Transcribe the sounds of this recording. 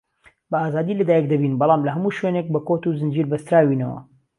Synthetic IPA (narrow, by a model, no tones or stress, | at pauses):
bɐaːzaːd̪iːlɐd̪aːjɛk̚d̪ɐbiːnbɑlˠɑːmlɐɦɐmuːʃwenek̚bɐkoːt̪uzɨnd͡ʒiːɾbɐst̪ɾaːwinɐ̰wɐ̰